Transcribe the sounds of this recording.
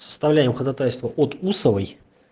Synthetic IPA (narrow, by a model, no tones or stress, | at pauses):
sə̥st̪avlʲæjɪmxəd̪at̪ajʲst̪vəʔot̪usəvəj